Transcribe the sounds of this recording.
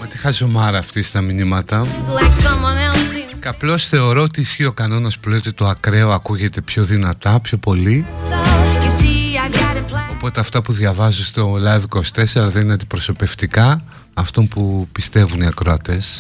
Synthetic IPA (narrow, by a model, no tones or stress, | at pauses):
ot̪ixɐzo̞mɐɾɐːft̪ist̪ɐminimɐt̪ɐlɛksɐmɐnɛlˠsikɐplo̞sθe̞o̞ɾoot̪iːsçio̞kɐno̞nɐspule̞jo̞t̪it̪o̞ɐkɾe̞oɐkuʝe̞t̪e̞pço̞ðinɐt̪ɐpço̞po̞li | isiaɡɾaɾlopo̞t̪eɐft̪ɐpuðʝɐvɐzunst̪o̞lɐjvikosi̥t̪e̞seɾɐðenineɐnd̪ipɾo̞so̞pe̞ft̪ikɐ | ɐft̪o̞mpupist̪e̞vuniɐkɾoɐt̪e̞s